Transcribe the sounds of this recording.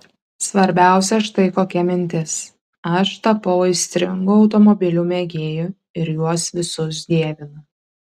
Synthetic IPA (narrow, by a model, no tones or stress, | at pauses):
sʋɐɾʲbʲæˑʊsʲɛʃt̪ɐɪkoːkʲɛmʲɪnʲt̪ʲɪs | ɐʃt̪ɐpɐʊɪsʲt̪ʲɾʲɪŋɡʊɒʊt̪ɔmɔbʲɪlʲuːmʲeɡʲeːjʊ | ɪɾjuɔsʋʲɪsʊs̬d̪ʲiɛʋʲɪnʊ